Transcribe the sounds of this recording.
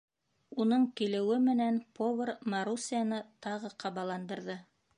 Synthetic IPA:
unɤɴkilɘ̆wɘmɘ̆nænpʰovʲermaɾusijanɤt̪ɑʁɤqʰɑβɑlˠɑnd̪ɤ̆ɾðɤ

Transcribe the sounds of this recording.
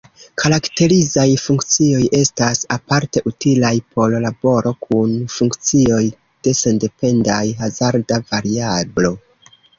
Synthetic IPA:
kʰaɾakte̞ɾizajfuŋkt͡sio̞jʔe̞stasapaɾte̞ʔutilajpʰo̞llabo̞ɾo̞kʰunfuŋkt͡sio̞j | d̥e̞se̞nde̞pe̞nda̰jɦazaɾdavaɾiablo̞

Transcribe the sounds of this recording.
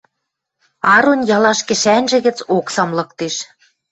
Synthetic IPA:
ɑɾonjɑlɑʃkɘ̆ʃænʒɘ̆ɣɘ̆t͡soksɑmlɤ̆k̚t̪eʃ

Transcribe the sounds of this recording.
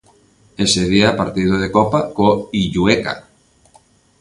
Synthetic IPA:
eseð̞iapaɾt̪ið̞oðekopakoiʎueka̰

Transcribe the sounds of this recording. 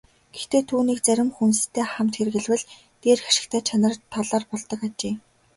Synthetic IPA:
ɡ̥ext̪ʰeːt̪ʰuːniːk̚t͡sæɾʲɪ̆mxunst̪ʰːeːχamt̪xerɣɘ̆ɮwɘ̆ɮ | t̪eːrxaʃɪ̆kt̪ʰæːt͡ɕʰanə̆rt̪ʰːɔɮɔːrpɔɮt̪ɞ̆kat͡ɕeː

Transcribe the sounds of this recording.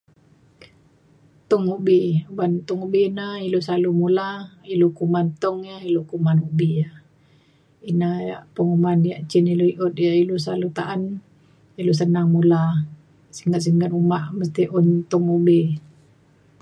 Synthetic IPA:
t̪ɔŋubiubant̪ɔŋubiinailosalumulailukumant̪ɔŋjailokumanubija | inajaʔpəŋumanjaʔt͡ʃiniluiʔʊt̪̚jaʔilusalut̪aʔan | ilos̬ənaŋmula | siŋɡaʔs̬iŋɡanumaʔməst̪iʔunt̪ɔŋubi

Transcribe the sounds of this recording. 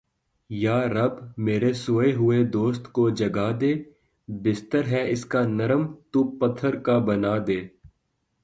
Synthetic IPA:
jaːɾɐbmeːɾesoːeɦʊed̪oːst̪kod͡ʒɐɡad̪eː | bɪst̪əɾɦɛɪskanɐɾəmt̪upɐt̪ʰːəɾkabɐnaːd̪eː

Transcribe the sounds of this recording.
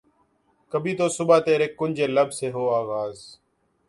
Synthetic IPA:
kəbʱiːt̪oːsʊbaːt̪eːɾeːkːʊnʲd͡ʒeːləbseːɦoːaːɣaːz

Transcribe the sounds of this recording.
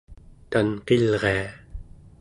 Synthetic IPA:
t̪anqelʁea

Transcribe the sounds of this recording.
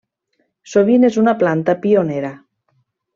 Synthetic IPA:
soβinezunaplant̪apioneɾa

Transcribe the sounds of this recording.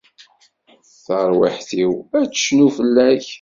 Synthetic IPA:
θəɾˤwə̰ħθiwæt͡sːʃnufəlːæç

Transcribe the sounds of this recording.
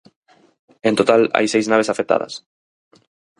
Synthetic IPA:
ẽnt̪ot̪ala̰jsejznaβesafet̪a̰ðɐ̰s

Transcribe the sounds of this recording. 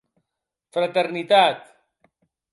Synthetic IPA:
fɾat̪eɾnit̪at̪

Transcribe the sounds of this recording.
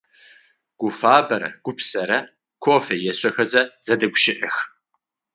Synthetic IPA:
ɡ̥ʷʊfaːbɐɾɐ̰ɡ̥ʷʊpʰsɐɾɐ | kʷʰoːfejɛɕʷɐxɐzɐz̥ɐdɐɡʷʊʃɪʔɪx

